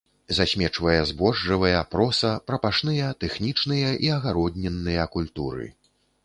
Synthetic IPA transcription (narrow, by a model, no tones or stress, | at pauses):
zasʲmʲɛt͡ʂvɐjɐzbɔʐːɨvɐjɐpɾɔsɐpɾɐpaʂnɨjɐt̪ɛxnʲit͡ʂnɨjɐʔiɐɣaɾɔd̪ʲnʲɛnːɨjɐkulʲt̪uɾɨ̰